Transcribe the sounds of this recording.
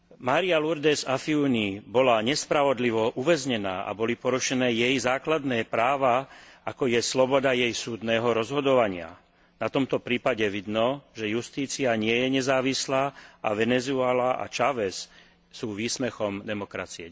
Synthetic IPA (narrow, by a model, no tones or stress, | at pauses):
maːɾialuɾd̪ɛzafiunibɔlaɲɛspɾaʋɔd̪liʋɔʔuʋɛzɲɛnaːʔa̰bɔlipɔɾuʃɛnɛːjɛjzaːklad̪nɛːpɾaːʋaakɔjɛslɔbɔd̪ajɛjsuːd̪nɛːɦɔɾɔzɦɔd̪ɔʋaɲɪa̰ | nat̪ɔmt̪ɔpɾiːpaɟɛʋid̪nɔʒɛjust̪iːt͡siaɲɪɛjɛɲɛzaːʋislaːʔaʋɛnɛzuɛlaʔa̰t͡ʃaʋɛs | suːʋiːsmɛxɔmd̪ɛmɔkɾa̰t͡siɛ